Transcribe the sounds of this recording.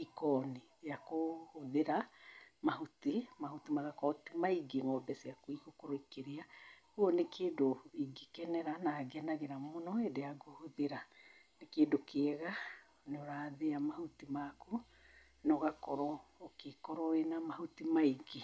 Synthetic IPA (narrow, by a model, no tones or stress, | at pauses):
ikɔni | eakohoðeɾamahotimahotimaɣakɔtimaiɡeŋɔbɛseakoiɣokoɾoikeɾeaɣuɔnekʰeːdoiɡekɛnɛɾanaɡɛnaɣeɾamonɔedeaɡohoðeɾanekeːdokʰeɛɣa | neoɾaːðeamahotimako | nɔɣakɔɾɔːkekɔɾɔenamahotimaiɡe